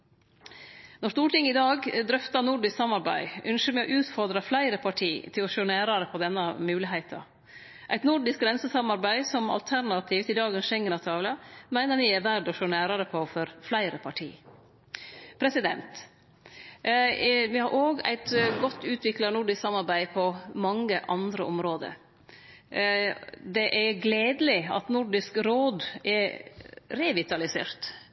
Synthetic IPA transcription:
nɔʂt̪uːʈɪŋːəɪd̪ɑːɡd̪ɾœft̪ɑnʊɖɪsksɑmːɑɾbæɪʔʉnʃəɾmɛɔʔʉːt̪fɔɾd̪ɾɑflæɪɾəpʰɑʈʰiːt̪ʰɪlɔʃøːnæːɾɑɾəpʰɔd̪ɛnːɑmʉːlɪɦæɪt̪ʰɑ̰ | ʔæɪt̪nʊɖɪsk̚ɡɾɛnsəsɑmːɑɾbæɪsɔmɑ̰lt̪ʰæɾnɑt̪ʰiːft̪ɪd̪ɑːɡənsʃɛŋːənɑt̪ʰɑːʋlɑmæɪnəɾʋɪæɾʋæɖɔʃøːnæːɾɑɾəpʰɔfɔɾflæɪɾəpʰɑʈʰḭː | pʰɾɛsɪd̪ɛnt̪ | ʋɪhɑɾʔoːɡæ̰ɪt̪ɡɔt̪ːʉːt̪ʰʋɪklɑnʊɖɪsksɑmːɑɾbæɪpʰɔmɑŋːəʔɑnd̪ɾəʔɔmɾoːd̪ə̰ɾ | d̪ɛʔæɡleːd̪əlɪɑ̰t̪nʊɖɪskɾoːd̪ɛɾ | ɾɛʋɪt̪ɑlɪsḛːɾt̪

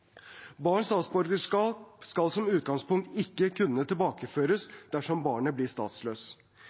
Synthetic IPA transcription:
bɑːɳst̪ɑːt̪sbɔɾɡəʂkɑːpskɑlsɔmʉːt̪̚ɡɑŋspʊŋk̚t̪ɪkːəkʰʉnːət̪ʰɪlbɑːkəføːɾəsd̪̥æʂɔmbɑːɳəblɪst̪ɑ̰ːt̪sløːs

